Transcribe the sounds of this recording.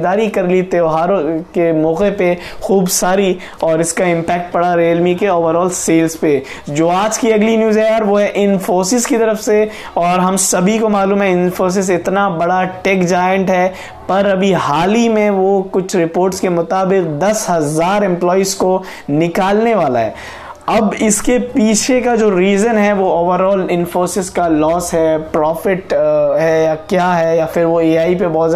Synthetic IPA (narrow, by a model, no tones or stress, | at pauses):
d̪aːɾikɐɾlit̪eoɦaːɾokemɔːqepe | xuːbsaːɾi | ɔːɾɪskaɪ̃mpɛːk̚ʈ̚pɐɽaɾeːlmikeoːʋəɾɔːlseːlzpe | d͡ʒoːaːd͡ʒkiɐɡlinjuːzɛjaːɾʋoɦɛʔɪnfoːsɪzkit̪ɐɾəfse | ɔːɾɦɐmsɐbʱikomaːluːmɦɛ̃ɪnfoːs̬ɪzɪt̪nabɐɽaʈeːkd͡ʒaːjə̃ɳʈɦɛː | pɐɾɐbʱihaːlimẽʋokʊt͡ʃʰɾɪpoːɾʈskemʊt̪aːbɪq̚d̪ɐsɦɐzaːɾɛ̃mplɔːizko | nɪkaːlneʋaːla̰ɦɛ̰ː | ɐbɪskepiːt͡ʃʰekad͡ʒoːɾiːzənɦɛʋooːʋəɾɔːlɪ̃nfoːsɪzkalɔːsɦɛːpɾɔːfɪʈɦɛjakjaːɦɛjafɪɾʋoeːaːip̬ebɔɦt̪z